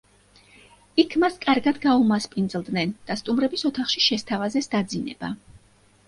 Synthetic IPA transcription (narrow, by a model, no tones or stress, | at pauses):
ikʰmaskʼaɾɡad̪ɡaumaspʼind̪zlˠd̪nɛnd̪̥ast̪ʼumɾɛbisɔt̪ʰaχʃiʃɛst̪ʰavazɛsd̪̥ad̪zinɛ̰b̥a̰